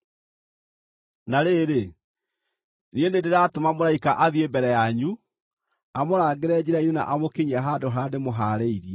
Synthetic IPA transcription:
naɾeɾe | nienedeɾaːtomamoɾaikaʔaðiembɛɾɛjaɲu | amoɾaːɡeɾɛd͡ʑiɾaiɲuna̰ʔamokeɲiaɦadoɦademoɦaːɾeiɾiɛ

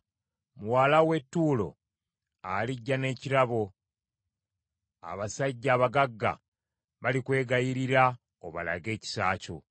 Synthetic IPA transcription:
muwaːlawe̞tːuːlo̞̰ | aliɟːane̞ːciɾaβo̞ | a̰βasaɟːaːβaɡaɡːa̰ | βalikwe̞ːɡajiɾiɾa | oβa̰la̰ɡe̞ːci̥saːco̞̰

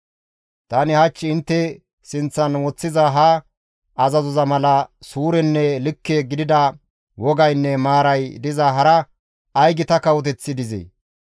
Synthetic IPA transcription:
t̪ɐnɪhɐt͡ʃːɪɪnt̪ːɛ | sɪnt͡sːɐnwɔt͡sːɪzɐɦɐ | ʔɐzɐzɔzɐmɐlɐsuːɾɛnːɛlɪkːeːɡɪd̪ɪd̪ɐ | wɔɡɐjnːɛmaːɾɐjd̪ɪzɐɦɐɾɐ | ɐjɡɪt̪ɐkɐwɔt̪̬ɛt͡sːɪd̪ɪzḛ

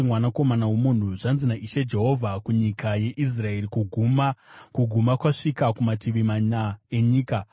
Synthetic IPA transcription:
imwanako̞manawe̞mun̤uʐanzinaʔiʃed͡ʒe̞ɦo̞vʱakuɲikaje̞ʔis̬rae̞rikuɡʱumakuɡʱumakwaʂikakumatiʋimaɲae̞ɲiːka

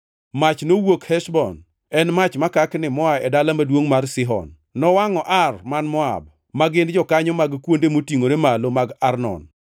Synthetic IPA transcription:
mat͡ʃnowokhɛʃbɔn | ɛnmat͡ʃmakaknɪmɔaɛdalamadwoŋmarsɪɦɔ̰nː | ɔwaŋɔʔarmanmɔa̰b̚ | maɡɪnd͡ʒɔkaɲɔmaɡkwondemotiŋoɾemalomaɡarnɔ̰n

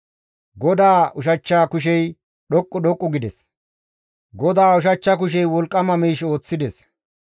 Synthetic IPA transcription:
ɡɔd̪aːʔʊʃ̬ɐt͡ʃːaːkʊʃ̬ɛj | ɗɔkʼːɔɗɔkʼːɔɡɪd̪ɛs | ɡɔd̪aːʊʃ̬ɐt͡ʃːɐk̬ʊʃ̬ɛjwɔlkʼːɐmɐmiːʃo̞ːt͡sːɪd̪ɛs

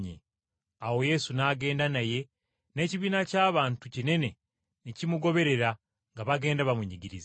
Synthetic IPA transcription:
ɲḛ | awo̞je̞sunaːɡe̞ːndanaje̞ | ne̞ːciβiːnacaːβaːntucine̞ne̞ | nicimuɡo̞βe̞ɾe̞ɾa | ŋɡaβaɡe̞ːndaβamuɲiɟiɾiza

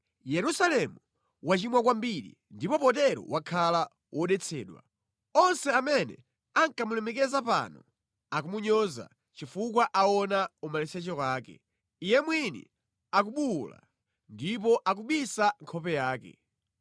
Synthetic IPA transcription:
jɛɾusalɛmu | wat͡ʃimwak̬wambiɗḭ | ndipɔpɔtɛɾɔ̰wakʰala | wʔɔɗɛt͡sʰɛːɗwa̰ | ɔnsɛamɛnɛ̰ | aŋkamulɛmɛk̬ɛzapa̰ːnɔ | akumuɲɔza̰ | t͡ʃifuk̬waʔaɔnaumalɛsɛt͡ʃɔkwaːkɛ̰ | ijɛmwinḭ | ak̬uɓula̰ | ndipɔʔakuɓisaŋkʰɔpɛjaːkɛ̰

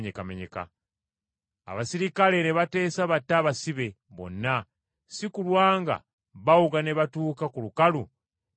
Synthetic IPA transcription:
ɲekameɲe̞̰ka̰ | a̰βasiɾikale̞neβate̞ːsaβatːaːβasiβe̞ | βo̞̰nːa | sikulwaːŋɡa̰ | βawuɡaneβatuːkakulukalu

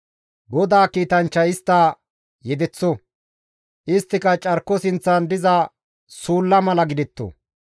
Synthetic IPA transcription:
ɡɔd̪aːkiːt̪ɐnt͡ʃːɐjɪst̪ːɐ | jɛd̪ɛt͡sːɔ | ʔɪst̪ːɪkɐt͡ʃʼɐɾkːɔsɪnt͡sːɐnd̪ɪzɐ | suːlːɐmɐlɐɡɪd̪ɪt̪ːɔ̰

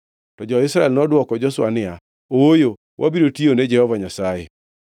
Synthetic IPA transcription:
tɔd͡ʒɔɪsɾaɛlnɔdwɔkɔd͡ʒɔswanɪa | oojo | wʔabiɾotioned͡ʒɛhɔvaɲasajḛ

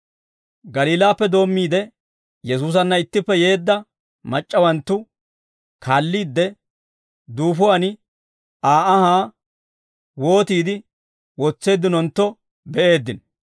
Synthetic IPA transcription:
ɡɐliːlaːpːɛd̪o̞ːmːiːd̪ɛ | jɛsuːs̬ɐnːɐɪt̪ːɪpːɛje̞ːd̪ːɐ | mɐt͡ʃʼːɐwɐnt̪ːʊ | kʰaːlːiːd̪ːɛ | d̪uːfʊwɐnɪ | aːʔɐhaː | wo̞ːt̪iːd̪ɪ | wɔt͡sːe̞ːd̪ːɪnɔnt̪ːɔ | bɛʔe̞ːd̪ːɪn

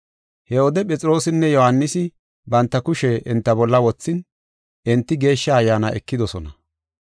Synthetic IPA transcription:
hɛɔd̪ɛpʼɛt͡sʼɪɾo̞ːsɪnːɛjɔhanːɪsɪ | bɐnt̪ːɐkʊʃɛʔɪnt̪ːɐbɔlːɐwɔt͡sːɪn | ɛnt̪ːɪɡe̞ːʃːɐːjːaːnɐ̰ʔɛkːɪd̪ɔsɔnɐ̰

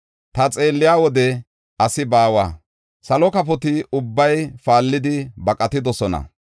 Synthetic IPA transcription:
t̪ɐt͡sʼe̞ːlːɪjaːwɔd̪ɛ | ɐsɪbaːwa̰ː | sɐlɔkɐpɔt̪ɪʊbːɐjfaːlːɪd̪ɪbɐkʼɐt̪ɪd̪ɔsɔnɐ̰

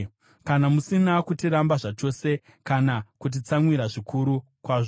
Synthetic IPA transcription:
kanamusinakutiɾambaʐat͡ʃo̞se̞ | kanakut̬it͡samwiɾaʐikʰuɾu | kwaʐo

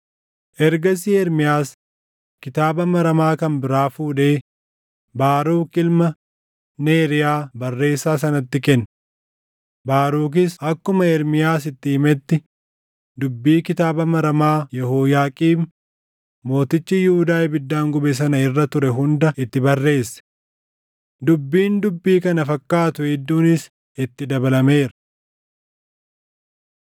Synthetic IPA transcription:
ʔɛɾɡɐs̬iɛɾmɪjaːs | kɪt̪aːbɐmɐɾɐmaːkɐnbɪɾaːfuːᶑe̞ː | baːɾuːkʼɪlmɐ | neːɾɪjaːbɐrːe̞ːsːaːs̬ɐnɐt̪ːɪkɛnː | baːɾuːk̬ɪsɐkːʊmɐɛɾmɪjaːs̬ɪt̪ːɪːmɛt̪ːɪ | d̪ʊbːiːkɪt̪aːbɐmɐɾɐmaːjɛhoːjaːkʼiːm | mo̞ːt̪ɪt͡ʃːɪjuːd̪aːjbɪd̪ːaːŋɡʊbɛs̬ɐnɐɪrːɐt̪ʊɾɛɦʊnd̪ɐɪt̪ːɪbɐrːe̞ːsːɛ̥ | d̪ʊbːiːnd̪ʊbːiːkɐnɐfɐkːaːt̪ʊɛd̪ːuːnɪs | ɪt̪ːɪd̪ɐbɐlɐmeːɾɐ̥

